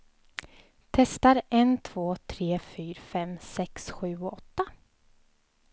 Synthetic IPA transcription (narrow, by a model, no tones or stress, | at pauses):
t̪ʰɛst̪aɾɛnt̪ʰv̥oːt̪ʰɾeːfyːɾfɛmsɛksɧʉ̟ːɔt̪ːa